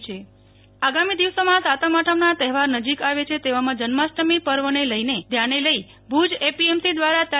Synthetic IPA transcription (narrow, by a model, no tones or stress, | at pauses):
t͡ʃʰe | aɡamid̪iʋsomãsat̪əmaʈʰəmnat̪ɛɦɛʋaɾnəd͡ʒikaʋet͡ʃʰet̪eʋamãd͡ʒənmasʈəmipəɾʋəneləined̪ʱjaneləi | bʱud͡ʒepiemsid̪ʋaɾat̪a